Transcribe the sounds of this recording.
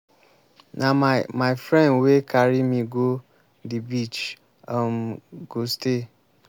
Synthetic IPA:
nʔamaɪfɾɛ̃nwekʰaɾimiɡo | dibit͡ʃ | am̩ɡoste

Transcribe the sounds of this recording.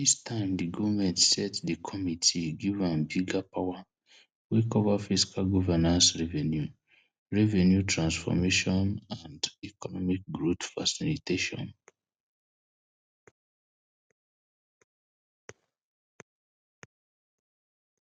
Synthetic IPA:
distʰãɪ̃mdiɡɔvamɛ̃ntsɛtdikʰɔmitʰiɡivãnbiɡapʰawa | wikɔvafiskʰalɡɔvɛnãnsɹɛvɛ̃nju | ɹɛvɛnjutʰɹãnsfɔ̰meʃɔ̃nãndikɔnɔmik̚ɡɹotfa̰siliteʃɔ̰̃n

